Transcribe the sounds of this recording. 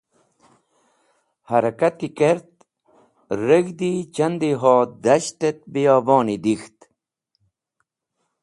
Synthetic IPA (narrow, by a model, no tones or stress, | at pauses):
haɾɐkat̪ikeɾt̪̚ | ɾəɡd̪it͡ɕɐnd̪iɦoːd̪ɐɕt̪et̪̚bijɑːboːnid̪ixt̪